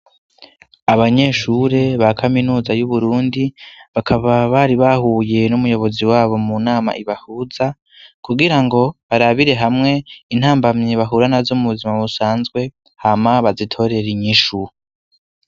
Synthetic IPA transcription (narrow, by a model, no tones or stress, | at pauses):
aβaɲe̞ːʃuɾe̞βakʰaminuːzajuβuɾuːndiβakʰaβaβaɾiβahuːje̞numujo̞βo̞ziwaːβo̞munaːma̰ʔiβahuza | kuɡiɾaŋɡo̞βaɾaβiɾe̞ɦamŋe̞in̥haːmbamɲiβaɦuɾanazomuβuzimaβusaːnzɡwe̞ | hamaβazitʰo̞ɾe̞ɾiɲiʃu